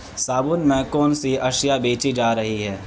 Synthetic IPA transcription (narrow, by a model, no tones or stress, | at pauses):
saːbʊnmẽkɔːnsiɐʃjabeːt͡ʃid͡ʒaːɾɐɦiɦɛː